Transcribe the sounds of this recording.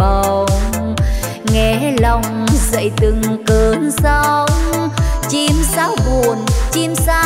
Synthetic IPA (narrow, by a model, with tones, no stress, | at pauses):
ə˨˩w | ŋɛ˧˩lɔ˧wŋ͡mzə̰˧˨jt̪ɨ˨˩ŋkə˨˩nsə˧˦wŋ͡mt͡ɕi˧msaː˨˦wvu˨˩ənt͡ɕi˧msaː˧˦